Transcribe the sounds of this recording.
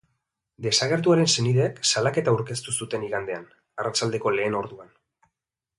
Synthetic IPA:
d̪e̞saɣ̞e̞ɾt̪̬uaɾe̞nse̞niðeːksalake̞t̪auɾke̞st̪usut̪e̞niɣand̪e̞an | arat͡ʃald̪e̞ko̞le̞ːno̞ɾðuan

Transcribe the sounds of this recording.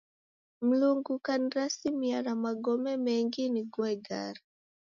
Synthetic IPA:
m̩luŋɡukaniɾasimianamaɡɔmɛmɛŋɡiniɡwɛɡa̰ɾa

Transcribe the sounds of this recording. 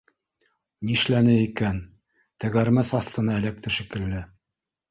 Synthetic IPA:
niʃlænɘikæn | t̪æ̆ɣæɾmæsɑθt̪ɤ̆nɑæ̆læk̚t̪ɘʃɘ̆kɘ̆lːɘ

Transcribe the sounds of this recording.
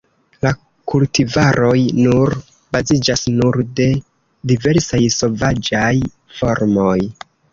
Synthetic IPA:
la | kultivaɾo̞jnuɾ | bazid͡ʒasnuɾde̞ | dive̞ɾsajso̞vad͡ʒaj | fo̞ɾmo̞j

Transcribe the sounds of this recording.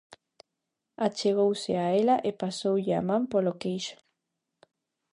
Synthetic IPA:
at͡ʃeɣ̞owseaelaʔepasowʎɪa̰mãmpolokejʃo̥

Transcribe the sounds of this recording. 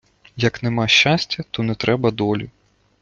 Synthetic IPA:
jɐknɛmɑʃt͡ʃːasʲtʲɐt̪ɔnɛt̪ɾʔɛbɐd̪ɔlʲi

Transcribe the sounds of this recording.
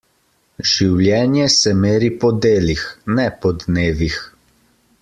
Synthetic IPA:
ʒ̥iwlʲjɛːnjɛsɛmeːɾipɔd̪eːlixnɛpɔd̪neːʋix

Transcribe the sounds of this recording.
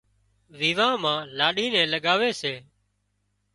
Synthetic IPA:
ʋiːʋãːmãːlaːɗiːnɛ̃ːləɠaːʋeːseː

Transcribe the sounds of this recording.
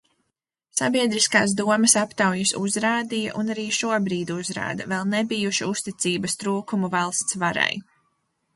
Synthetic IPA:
sabiɛd̪ɾiskaːs̬d̪uɔmɐsapt̪awjusuzɾaːd̪ijaʔunaɾiːʃuɔbɾiːd̪uzɾa̰ːd̪ɐvɛlˠnɛbijuʃiust̪it̪siːbɐst̪ɾuːkumuvalˠst̪svaɾa̰j

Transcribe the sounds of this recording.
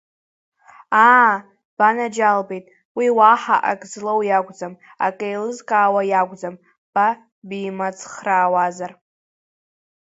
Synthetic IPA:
a | b̥anad͡ʒalbejtʼ | wiwaħaʔa̰kʼzlowjaɡʷʼd͡zam | a̰kʼejlɨzkʼaːwajaɡʷd͡zam | b̥a | bimat͡sʰχraːwazar

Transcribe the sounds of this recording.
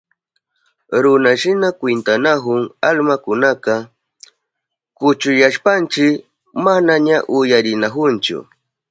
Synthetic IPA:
ɾʊnaʃɪnakwɪnt̪anaxʊŋalmakʊnakɑ | kʊt͡ʃʊjaʃpant͡ʃɪk | manaɲaʔʊjaɾɪnaxʊnt͡ʃʊ̰

